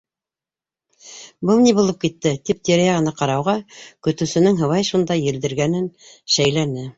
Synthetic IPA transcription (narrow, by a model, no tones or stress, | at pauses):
bɤlˠnibulˠɤp̚kit̪ːɘt̪ip̚t̪eɾjæʁɤ̆nɑqɑɾɑwʁɑkɵ̆t̪ɘ̆sɘ̆nɘŋɦɤ̆wɑjʃund̪ɑjːɘ̆ld̪ɘ̆ɾɡænɘn | ʃæjlænɘ